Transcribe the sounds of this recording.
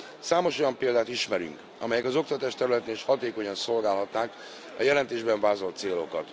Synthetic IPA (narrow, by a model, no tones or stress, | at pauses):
saːmo̞ʃo̞jɒmpeːld̪aːt̪iʃmɛɾy̰ŋk | ɒ̰mɛjɛkɒzo̞k̚t̪ɒt̪aːʃt̪ɛɾylɛt̪eːniʃhɒt̪eːko̞ɲɒnso̞lɡaːlɦɒt̪naːk | ɒ̰jɛlɛnt̪eːʒbɛɱvaːzo̞lt̪seːlo̞kɒt̪